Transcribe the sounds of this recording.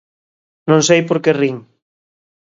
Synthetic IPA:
nõŋsejpoɾkeriŋ

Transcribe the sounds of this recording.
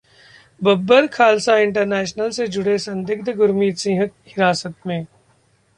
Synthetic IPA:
bɐbːəɾkʰaːlsaɪ̃ɳʈəɾnɛːʃnəlsed͡ʒʊɽesɐ̃nd̪ɪɡ̚d̪ʱɡʊɾmiːt̪sɪ̃ːɦək̚hɪɾaːsət̪mẽː

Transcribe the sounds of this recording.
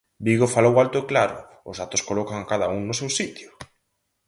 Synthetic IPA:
biɣofalowalt̪oeklaɾʊ̰ | ʊsat̪oskolokaŋakaðauŋnʊsewsit̪jʊ

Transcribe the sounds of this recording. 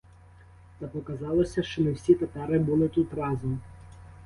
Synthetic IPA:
t̪ɑpɔkɐzɑlˠɔsʲɐʃt͡ʃɔmɪwsʲit̪epɛɾɪbulˠɪt̪ut̪rɑzɔm

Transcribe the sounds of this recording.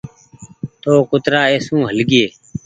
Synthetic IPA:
t̪oːkʊt̪ɾaːeːsũːɦəlɡɪeː

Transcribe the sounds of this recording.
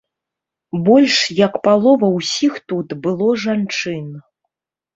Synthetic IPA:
bɔlʲʂjɐkpalˠɔvɐwsʲixt̪ut̪bɨlˠɔʐant͡ʂɨn

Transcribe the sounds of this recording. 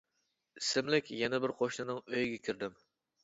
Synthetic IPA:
isɪmlɪkʲjɛnɛbɪɾqʰoʃnɨnɨŋøjɡʲɛkʲiɾd̪ɪm

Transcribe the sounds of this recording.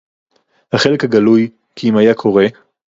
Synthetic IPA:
haχelekhaɡɐluj | kʰiimajakʰo̞ʁe̞

